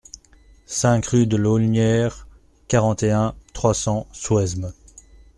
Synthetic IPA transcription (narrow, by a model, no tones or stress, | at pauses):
sɛ̃kʁyd̪əlolnjɛʁ | kaʁɑ̃t̪eɛ̃t̪χwasɑ̃swɛzm